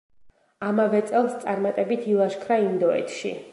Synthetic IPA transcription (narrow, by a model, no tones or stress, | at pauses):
amavɛt̪sʼɛlˠst̪sʼaɾmat̪ʼɛbit̪ʰilˠaʃkʰɾaind̪ɔɛ̰t̪ʰʃḭ